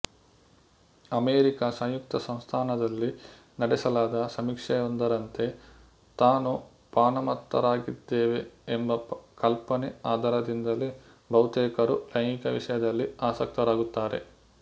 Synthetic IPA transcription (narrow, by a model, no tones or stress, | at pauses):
ɐmeːɾikasɐ̃ŋjuk̚t̪ɐsɐ̃m̃st̪ʰaːnɐd̪ɐlːi | nɐɽɛsɐlaːd̪ɐsɐmikʂɛjond̪ɐɾɐnt̪e̞ | t̪aːnu | paːnɐmɐt̪ːɐ̰ɾaːɡid̪ːeːʋeːmbɐkɐlpɐniaːd̪ʱɐːɾɐd̪ind̪ɐli | bʱɐwt̪ɛːkɐɾulɐjŋikɐʋḭʂɐjɐd̪ɐlːiaːsɐk̚t̪ɐɾaːɡut̪ːaːɾe̞̰